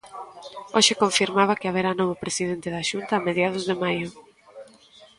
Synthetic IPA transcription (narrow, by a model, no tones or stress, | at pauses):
oʃɪkõɱfiɾmaβ̞ɐkɪaβ̞eɾanoβopɾesiðent̪ɪðaʃunt̪ɐːmeðjað̞ʊzðemajʊ